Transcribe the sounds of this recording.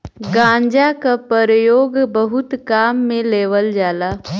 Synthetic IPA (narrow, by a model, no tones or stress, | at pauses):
ɡãːɲd͡ʒakapəɾəjoːɡbəɦʊt̪kaːmːẽleːʋəld͡ʒaːlaː